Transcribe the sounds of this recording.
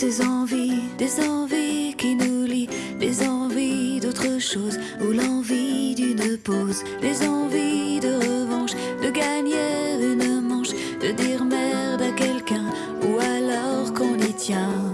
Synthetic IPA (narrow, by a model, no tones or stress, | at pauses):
dezɑ̃vid̪ezɑ̃vikʲinuli | d̪ezɑ̃vid̪ot̪χəʃoz | ulɑ̃vid̪ynpoz | d̪ezɑ̃vid̪əʁəvɑ̃ʃ | d̪əɡaɲeynəmɑ̃ʃ | d̪̥əd̪iʁmɛʁd̪akɛlkɛ̃ | ualɔʁkɔ̃nit̪jɛ̃